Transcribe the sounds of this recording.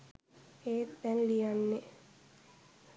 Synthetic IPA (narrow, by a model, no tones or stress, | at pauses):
eːd̪ɛnlijanːe